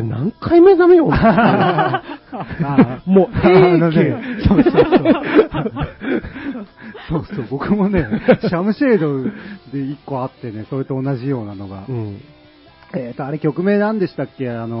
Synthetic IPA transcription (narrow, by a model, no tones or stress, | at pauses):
nã̰ŋkaimezamejon | amononesoːsoo | soːso̞ːbo̞kɯ̟mo̞ne̞ɕamɯ̟ɕeːd̪o̞d̪e̞ikːo̞at̪ːe̞ne̞so̞ɾet̪o̞ːnaʑijo̞ːnano̞ɡã̰ | eːt̪ːo̞aɾe̞kʲo̞kɯ̟me̞ːnãnd̪e̞ɕi̥t̪akːe̞ano̞